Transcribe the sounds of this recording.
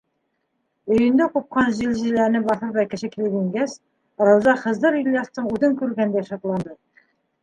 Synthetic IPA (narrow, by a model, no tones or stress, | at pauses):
ɵ̆jɵ̆nd̪æqup̚qɑnʑilʑĭlæɾnɘbɑθɤɾβækɘ̆ʃɘkilɘɡiŋɡæs | ɾɤ̆wzɑχɤ̆zd̪ɤɾiljɑst̪ɤɴʉðɘŋkʉɾɡænd̪æʃɑt̪lˠɑnd̪ɤ